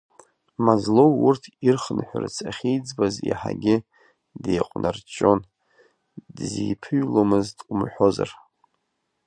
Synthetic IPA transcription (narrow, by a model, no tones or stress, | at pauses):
mazlo̞wurtʰirχnħʷart͡sʰʼaχʲijd͡zbazḭħa̰ɡʲɪ | dejqʷʼnʔart͡ʃʼo̞n | dzḭjpʰɨɥlomɨztʼumħʷo̞za̰r